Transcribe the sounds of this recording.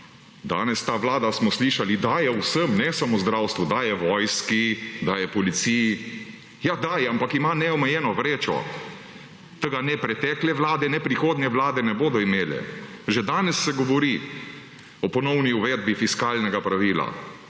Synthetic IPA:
d̪a̰ːnɛst̪aːʋlaːd̪asmɔsliʃalid̪ajɛwsəmnɛsamozd̪ɾawst̪ʋud̪ajɛʋɔjskid̪ajɛpɔlit̪siːji | jad̪aːjɛampakimanɛɔmɛjɛːnɔʋɾeːt͡ʃɔ̰ | t̪əɡanɛpɾɛt̪ɛklɛʋlaːd̪ɛnɛpɾixoːd̪nɛʋlaːd̪ɛnɛboːd̪ɔimeːlɛ̰ʒɛd̪aːnɛsːɛɡɔʋɔɾi | ɔpɔnɔwniuʋɛd̪̚bifiskaːlnɛɡapɾaʋiːla̰

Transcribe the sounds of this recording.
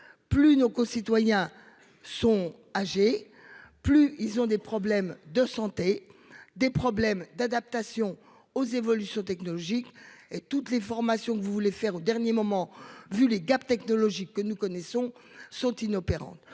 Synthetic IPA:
plynokɔ̃sit̪wajɛ̃ | sɔ̃ | aʒe | plyilzɔ̃d̪epχɔblɛmd̪əsɑ̃t̪ed̪epχɔblɛmd̪ad̪ap̚t̪asjɔ̃ | ozevɔlysjɔ̃t̪ɛknɔlɔʒiket̪ut̪lefɔʁmasjɔ̃kəvuvulefɛʁod̪ɛʁnjemɔmɑ̃vyleɡap̚t̪ɛknɔlɔʒikːənukɔnɛsɔ̃ | sɔ̃t̪inɔpeʁɑ̰̃t̪

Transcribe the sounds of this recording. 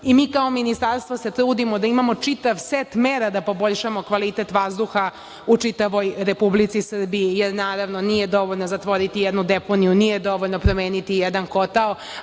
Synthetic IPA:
imiːkao̞minist̪aɾst̪ʋose̞t̪ɾuːd̪imo̞d̪aimamo̞t͡ʂit̪aʋset̪meːɾad̪apo̞bo̞ʎʲʃamo̞kʋalit̪et̪ʋazd̪uxa | ut͡ʂit̪aʋo̞jɾe̞publit̪sisr̩bijijeɾnaːɾaʋno̞nijed̪o̞ʋoʎnozat̪ʋo̞ɾit̪ijɛd̪nud̪epo̞nijunijed̪o̞ʋoʎʲnopɾo̞meːnit̪ijɛd̪anko̞t̪ao

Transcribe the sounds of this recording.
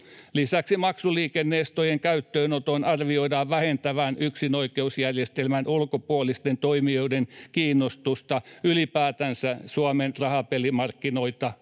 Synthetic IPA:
lisæksimɑksuliːkenːeːst̪ojeŋkæyt̪ːøːnot̪onɑrʋioidɑːʋʋæhent̪æʋænyksinoikeusjærjest̪elmænʔulkopuolist̪ent̪oimioidenkiːnːost̪ust̪ɑylipæːt̪ænsæsuɑmenrɑhɑpelimɑrkːinoit̪ɑ

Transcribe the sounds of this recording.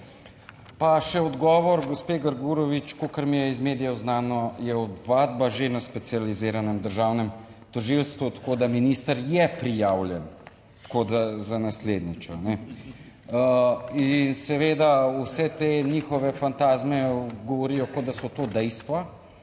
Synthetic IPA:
paʃɛɔd̪ɡɔːʋɔɾɡospeːɡəɾɡuɾɔʋit͡ʃkokɐɾmijɛizmeːd̪ijɛznaːnɔjɛɔd̪ʋad̪̚baʒenaspɛt̪sializiːɾanɛmd̪əɾʒaːwnɛm | t̪ɔʒilst̪ʋut̪ḁkoːd̪aminiːst̪əɾjɛpɾijaːwljɛn | t̪koːd̪azanasleːd̪nit͡ʃɔnɛ | insɛʋeːd̪ausɛt̪eɲiːxɔʋɛfant̪aːzmɛɡɔʋɔɾiːjɔkɔd̪d̪asɔt̪oːd̪ɛjst̪ʋa

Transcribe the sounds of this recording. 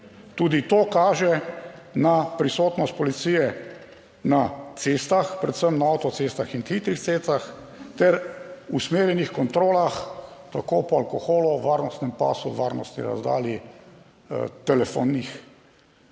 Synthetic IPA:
t̪uːd̪it̪oːkaːʒɛnapɾisoːt̪nɔst̪̚pɔlit̪siːjɛ | nat̪seːst̪axpɾɛt̪səmnaawt̪ɔt̪sest̪axint̪xit̪ɾixtsest̪ax | t̪ɛɾusmeːɾjɛnixkɔnt̪ɾoːlaxt̪akoːpɔalkɔxoːlɔʋaːɾnɔst̪nɛmpa̰ːsuʋaːɾnɔst̪nḭɾa̰zd̪a̰ːlḭ | t̪ɛlɛfo̰nːix

